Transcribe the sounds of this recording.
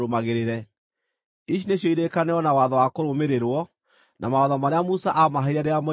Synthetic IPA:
ɾomaɣeɾeɾɛ | iɕ̬ineɕjɔiɾekaneɔnawaðɔwakoɾomeɾeɾwɔ | nʔa̰maɔðɔmaɾeamusaʔamaɦeɾaɾeamɔ

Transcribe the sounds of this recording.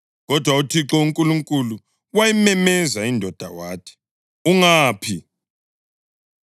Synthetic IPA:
ɣɔd̥ʱwautʰiǁɔuŋkʼuluŋkʼulu | wajimɛmɛzaindʱɔd̥ʱa̰waːtʰɛ̥ | uŋaːpʰi

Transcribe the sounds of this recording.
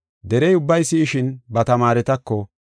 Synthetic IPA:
d̪ɛɾɛjʊbːɐjsːiːʃɪnbɐt̪ɐmaːɾɛt̪ɐkːɔ

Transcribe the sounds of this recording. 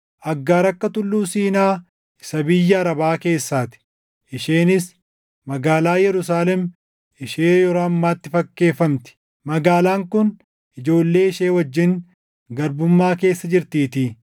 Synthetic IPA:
ʔɐɡːaːɾɐkːɐt̪ʊlːuːsiːnaː | ɪsɐbɪjːɐːɾɐbaːke̞ːsːaːt̪ɪ̥ | ʔɪʃeːnɪs | mɐɡaːlaːjɛɾʊs̬aːlɛm | ɪʃeːjɔɾoːɐmːaːt̪ːɪfɐkːe̞ːfɐmt̪ɪ̥ | mɐɡaːlaːŋkʊn | ʔɪd͡ʒo̞ːlːe̞ːɪʃe̞ːwɐd͡ʒːɪŋ | ɡɐɾbʊmːaːke̞ːsːɐd͡ʒɪɾt̪iːt̪i

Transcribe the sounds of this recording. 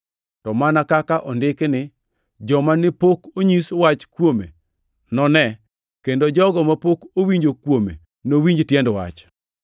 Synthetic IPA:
tɔmanakakaʔɔndɪknɪ | d͡ʒɔmanɪpokoɲiswat͡ʃkwomḛ | nɔnɛ | kendod͡ʒɔɡɔmapokowiɲd͡ʒokwomḛ | nowiɲd͡ʒtjɛndwa̰t͡ʃ

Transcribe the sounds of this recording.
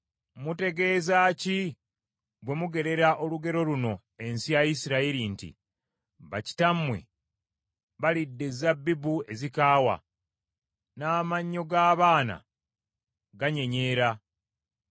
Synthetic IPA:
mute̞ɡe̞ːzaːci | bwe̞muɡe̞ɾe̞ɾaʔo̞luɡe̞ɾo̞luno̞ | e̞nsijajisiɾaiɾintḭ | βaci̥tamwe̞̰ | βalidːe̞zabːibue̞zikaːwa̰ | naːmaɲːo̞ɡaːβaːna̰ | ɡaɲe̞ɲe̞ːɾa

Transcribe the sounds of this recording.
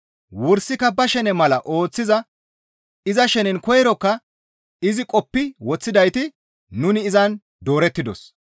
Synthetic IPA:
wʊɾsɪkːɐbɐʃɛnɛmɐlɐʔo̞ːt͡sːɪzɐ | ɪzɐʃɛnɛnkɔjɛɾɔkːɐ | ɪzɪkʼɔpːɪwɔt͡sːɪd̪ɐjt̪ɪ | nʊnɪːzɐn | d̪oːɾɛt̪ːɪd̪ɔ̰s

